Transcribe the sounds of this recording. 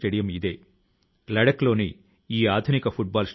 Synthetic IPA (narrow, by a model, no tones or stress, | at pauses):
ʈeɽijɐmid̪e̞ː | lɐɽɐklo̞ːni | iːaːd̪ʱunikɐpʰuʈ̚baːls